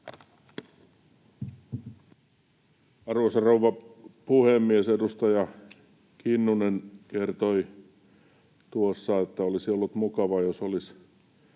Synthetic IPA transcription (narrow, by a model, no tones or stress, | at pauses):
ɑrosɑrouʋːɑpuhemːiesedust̪ɑjɑ | kinːunenkert̪oi | t̪uosːɑet̪ːæolisiolːut̪mukɑʋɑjosolis